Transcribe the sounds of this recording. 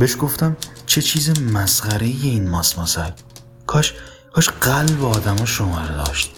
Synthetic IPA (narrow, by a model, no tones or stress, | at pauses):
beʃɡoft̪æmt͡ʃʰet͡ʃʰiːzemæsχæɾejeinmɒːsmɒsæl | kʰɒʃ | kʰɒʃɢælbeɒːd̪æmɒʃomɒ̰ɾed̪ɒ̰ːʃt̪